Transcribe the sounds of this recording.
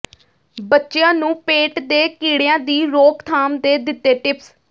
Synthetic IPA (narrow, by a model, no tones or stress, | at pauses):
bətːʃejãːnũːpeːʈd̪eːkiːɽeãːd̪iːɾoːkt̪ʰaːmd̪eːd̪ɪt̪ːeːʈɪps